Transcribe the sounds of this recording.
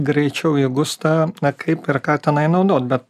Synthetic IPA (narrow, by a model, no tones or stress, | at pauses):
ɡɾʲɛɪt͡ʃʲɛʊɪɡʊst̪ɑnɐkʰɐɪpɪɾkɑːt̪ʲɛnɐɪnɐʊd̪oːt̪̚bʲɛt̪